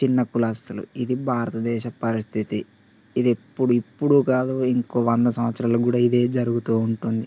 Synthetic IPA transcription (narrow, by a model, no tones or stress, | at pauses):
t͡ʃinːɐkulɐst̪ɐlṵid̪ibʱaːɾɐt̪ɐd̪ɛːʃɐpɐɾist̪ʰit̪i | id̪epːuɽuipːuɽukaːd̪uiŋko̞ːʋɐnd̪ɐsɐmɐt̪sɾaːlɐɡuːɽaːid̪e̞ːd͡ʒɐɾuɡut̪uːuɳʈund̪i